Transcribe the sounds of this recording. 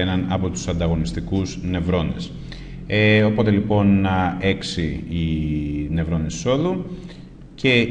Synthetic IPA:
enɐnɐpo̞t̪u̥sɐnd̪ɐɣo̞nist̪ikuzne̞vɾo̞nḛs | eo̞po̞t̪e̞lipo̞ne̞ksiine̞vɾo̞nisso̞ðu | ce̞

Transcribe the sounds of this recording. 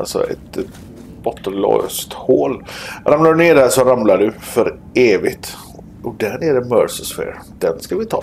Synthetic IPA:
ʔa̰lsɔ̰ɛ̰t̪ | bɔt̪ːənlɔ̰st̪hoːlɾamlaɖɵneːɖæʂɔɾamlaɖɵfœɾ | eːvɪɡt̪ | ʔɔd̪æɳɛd̪ɛmœɾsəsfɛ̰ːɾ | d̪̥ɛnskavɪt̪ʰɑ̰ː

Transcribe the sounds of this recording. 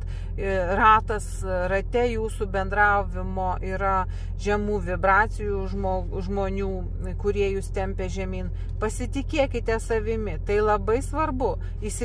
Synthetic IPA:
ɪrɑːt̪ɐs | rɐt̪ʲɛjuːsubʲɛnd̪ɾɑʊʋʲɪmoːʔiːɾɐ | ʒʲɛmuːʋʲɪbɾɑːt͡s̪ʲɪjuːʒmoː | ʒmoːnʲuː | kʊɾʲiɛjuːst̪ʲɛmʲpʲɛʒʲɛmʲiːn | pɐsʲɪt̪ʲɪkʲeɛkʲɪt̪ʲɛsɐʋʲɪmʲɪt̪ɐɪlˠɐbɐɪsʋɐrbʊ | ɪʃsʲɪ

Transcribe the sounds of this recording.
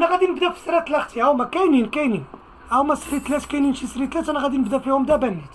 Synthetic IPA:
næɣæd̪inəbd̪æfi̥sɾˤæt̪læxt̪iʕæwmækæjninkæjnin | ʔæwmæsɾit̪læt̪kæjninʃisɾit̪læt̪ænæɣæd̪inəbd̪æfihʊmd̪æbænːæt̪

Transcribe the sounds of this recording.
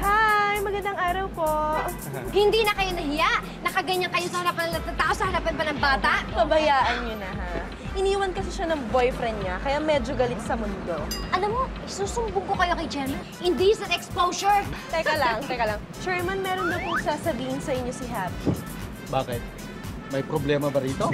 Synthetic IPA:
hajmɐɡɐnd̪ɐŋʔaːɾɐwpoʔ | hɪnd̪inɐkɐjo̞nɐɦɪjaʔ | nɐkɐɡɐɲɐŋkɐjo̞sɐhɐɾapɐnɐlɐt̪ɐt̪aːʔosɐhɐɾapɐnpɐnɐŋbaːt̪ɐʔpɐbɐjaːʔɐnɲonɐɦa | ʔɪniːwɐnkɐsɪʃanɐŋbo̞jfɾɛnd̪̚ɲɐkɐjamɛd͡ʒoɡɐlɪt̪̚sɐmʊnd̪o̞ʔɐlamːo | suːsʊmbʊŋpokɐjo̞kɐjt͡ʃɛɹmanʔɪnd̪isɐnɛkspowsoɹt̪ɛkɐlɐŋt̪ɛkɐlɐŋ | t͡ʃɛɹmɐnmɛːɾond̪ɐpʊŋsaːsɐbiːhɪnsɐʔɪɲːo̞sɪɦap | baːkɪt̪̚ | mɐjpɾoblɛːmɐbɐɾiːt̪o̞

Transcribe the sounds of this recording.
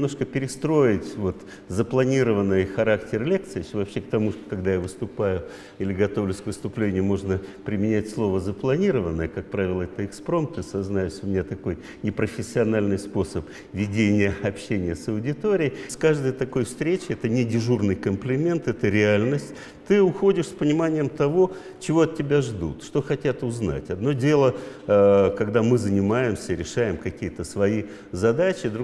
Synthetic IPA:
ɪmno̞ʂkəpʲɪɾʲɪst̪ɾo̞ɪtʲvo̞t̪ | zəplˠɐnʲiɾəvənːɨjxɐɾaktʲɪrlʲek̚t̪sɨjɪsʲvɐpɕːe̞k̚t̪ɐmuʂt̪o̥kɐɡd̪ajavɨst̪ʊpajʊ | ilʲɪɡɐt̪o̞vlʲʊsʲkvɨst̪ʊplʲenʲɪjʊmo̞ʐnəpɾʲɪmʲɪnʲætʲslˠo̞vəzəplˠɐnʲiɾəvənːəjəkak̚pɾavʲɪlˠəɛt̪əɪkspɾo̞mt̪ɨsɐznajʊsʲʊmʲɪnʲat̪ɐko̞j | nʲɪpɾəfʲɪsʲːɪɐnalʲnɨjspo̞səp | vʲɪdʲenʲɪjəɐpɕːenʲɪjəsəwʊdʲɪt̪o̞ɾʲɪjjskaʐd̪əjt̪ɐko̞jfst̪ɾʲet͡ɕɪɛt̪ənʲɪdʲɪʐurnɨjkəmplʲɪmʲe̞nt̪ɛt̪əɾʲɪalʲnəsʲtʲ | t̪ɨʊxo̞dʲɪʂspənʲɪmanʲɪjəmt̪ɐvo̞ | t͡ɕɪvo̞ɐt̪̚ʲːɪbʲaʐd̪ṵt̪ʂt̪o̞xɐtʲat̪ʊzna̰tʲɐd̪no̞dʲe̞lˠə | kɐɡd̪amɨzənʲɪmajɪmsʲəɾʲɪʂajɪmkɐkʲijət̪əsvɐi | zɐd̪at͡ɕɪd̪ɾ

